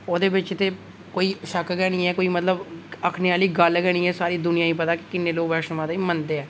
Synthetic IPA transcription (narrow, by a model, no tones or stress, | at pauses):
oːd̪eːbɪt͡ʃt̪eː | koːiːʃəkɡɛːɽ̃iːɛːkoːiːmət̪ləbəkʰneːaːliːɡəlɡɛːɽ̃iːɛːsaːɾiːd̪ʊnɪjaːĩːpət̪aːkɪ̥kɪnːeːloːɡʋɛːʃnʋaːd̪iːmənd̪eːɛː